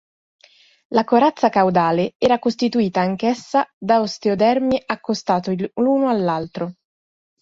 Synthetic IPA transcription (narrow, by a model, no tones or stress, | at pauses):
lakoɾat̪sːakawd̪aːleɛːɾakost̪it̪uiːt̪aːŋkesːad̪aost̪eod̪ɛrmiʔakːost̪aːt̪oluːnoalːalt̪ɾo